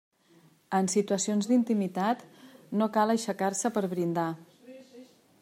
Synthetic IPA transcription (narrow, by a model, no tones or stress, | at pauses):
ənsit̪uəsionzd̪int̪imit̪at̪nokaləʃəkarsəpəɾβɾind̪a